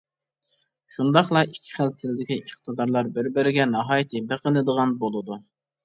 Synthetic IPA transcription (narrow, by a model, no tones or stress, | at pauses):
ʃund̪ɑχlˠɑikʲʰːi̥χælt̪ʰɪlɪd̪ɪkʲiʔəχt̪ʰəd̪ɑɾlˠɑɾbɪɾbɪɾɪɡʲɛnɑɦɑːjɪt̪ʰɨbeqənɨd̪əʁɑnbolˠɨd̪u